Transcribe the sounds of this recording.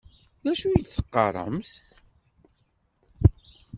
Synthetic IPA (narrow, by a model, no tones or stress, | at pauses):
ðæʃuid̪θə̥qːɑ̰ɾˤə̰mθ